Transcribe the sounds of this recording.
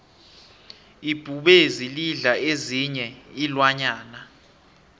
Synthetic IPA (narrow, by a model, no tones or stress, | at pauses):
ib̥ʱuɓeziliɮaeziɲɛilwaɲaːna